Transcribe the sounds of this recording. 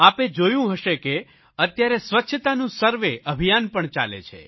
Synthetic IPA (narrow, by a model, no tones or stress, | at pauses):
aped͡ʒojũɦəʃeke | ət̪jaɾesʋətːʃʰət̪anũsəɾʋeʔəbʱijanpəɳt͡ʃa̰lḛt͡ʃʰḛ